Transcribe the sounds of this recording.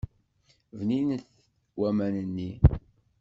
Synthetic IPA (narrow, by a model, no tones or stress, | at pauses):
vninθ | wæmænənːi